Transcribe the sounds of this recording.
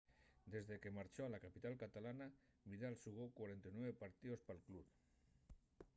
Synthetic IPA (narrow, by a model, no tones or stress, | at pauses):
d̪ezðekemaɾt͡ʃoalakapit̪alkat̪alana | βiðalsuɣokwaɾent̪anwɛβepaɾt̪iospalklup